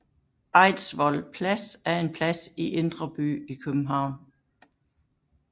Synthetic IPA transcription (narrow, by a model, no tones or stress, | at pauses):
ɑ̈ɪ̰dsʋɒlpʰlæsæɐe̝npʰlæsiʔe̝nd̥ʁɐb̥y̰ːikʰøb̥m̩ɦɑ̈ʊ̰n